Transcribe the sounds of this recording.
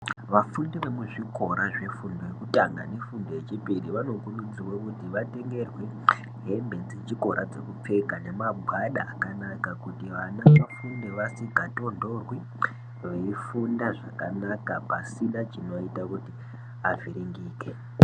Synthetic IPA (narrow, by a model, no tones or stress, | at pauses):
ʋafundeʋe̞muʐiko̞ɾaʐe̞fundojekutaŋɡa̰ne̞fundo̞je̞t͡ʃipiɾiʋano̞kunud͡ziwokutiʋate̞ŋɡe̞rwe̞ | ɦe̞mbe̞nd͡zet͡ʃiko̞ɾʔa̰d͡ze̞̰kup͡fe̞kane̞mabʱwaɗaːkanakakutiʋanaʋafundeʋasiɡʱato̞ndo̞rwi | ʋeifundaʐakanakapasiɗat͡ʃino̞itakuti | aviɾiŋɡiːke